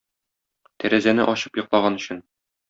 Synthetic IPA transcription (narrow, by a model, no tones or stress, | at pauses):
t̪æɾæzænɘʔɒɕɤpjɤ̆qlˠɑʁɑnɵ̆ɕɘn